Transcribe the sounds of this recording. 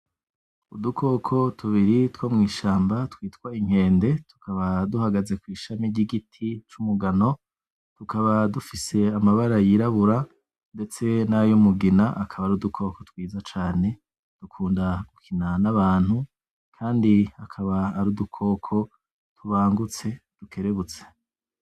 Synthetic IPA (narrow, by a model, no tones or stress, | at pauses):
udukʰo̞ːkʰo̞tʰuβiɾitwomŋiːʃaːmbatwiːtwaiŋ̥e̞ːnde̞tu̥kʰaβaduhaɡaze̞kwiːʃamiɾɟiɡitʰit͡ʃumuɡano̞ | tukaβadufise̞amaβaɾajiɾaβuɾa | nde̞t͡se̞najomuɡinaʔakʰaβaɾudukʰo̞ko̞t̪wiːzat͡ʃaːne̞ | d̥ukʰuːndaɡukʰinanaβaːn̥hu | kʰaːndiakʰaβaːɾudukʰo̞ːkʰo̞ | tuβaːŋɡut͡se̞d̥ukʰe̞ɾe̞βut͡se̥